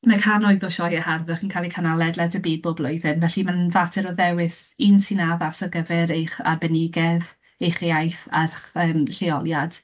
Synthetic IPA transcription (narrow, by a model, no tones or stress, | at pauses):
makʰanɔɨðɔʃɔjəharðʊχənkʰalˠikʰanalˠɛdlˠɛdəbiːd̚boblˠʊjðɨnvɛɬimanvatʰɛɾɔðɛwɪsinsinaðasəɡəvɨɾejχa̰rbɛnɪɡɛð | ejχeajfaχəːmɬeɔlˠjad̥